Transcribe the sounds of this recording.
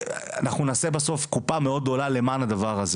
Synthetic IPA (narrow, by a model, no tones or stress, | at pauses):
a̰naχnunaːse̞baso̞fkupameo̞d̪̚ːo̞lale̞maːnad̪avaʁaze